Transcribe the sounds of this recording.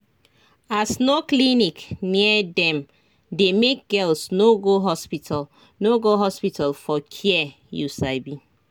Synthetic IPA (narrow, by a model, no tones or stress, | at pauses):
asnoklinikniɛdɛ̃m | demek̚ɡɛlsnoɡoɦɔspita | noɡoɦɔspitʰalfɔkʰiɛ | jṵsaɪbi